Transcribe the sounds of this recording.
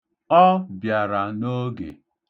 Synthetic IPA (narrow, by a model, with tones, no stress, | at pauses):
ɔ˦bja˨ɾa˨no˦ɡḛ˨